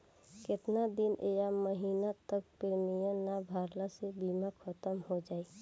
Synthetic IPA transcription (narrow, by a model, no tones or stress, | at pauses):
kɪt̪nad̪ɪnʔejaməɦiːnat̪ək̚pɪɾmijãnabʱaːɾlasebiːmakʰət̪əmɦod͡ʒaːiː